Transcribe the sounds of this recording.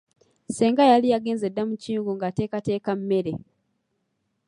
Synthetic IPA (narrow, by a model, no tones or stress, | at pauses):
se̞ːŋɡajalijaɡe̞ːnze̞dːamuciːŋɡoŋɡate̞ːkate̞ːkamme̞ɾe̞